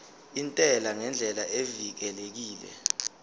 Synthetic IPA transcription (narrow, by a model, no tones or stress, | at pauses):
intʼɛlaŋɛnd͡ɮʱɛlaʔevik̬ɛlek̬iːlɛ̰